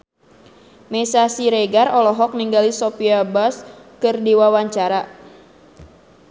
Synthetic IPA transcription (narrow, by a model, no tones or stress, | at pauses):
mesasiɾeɡarɔlɔɦɔk̚niŋɡalisɔpiabaskɨrdiwawaɲt͡ʃaɾa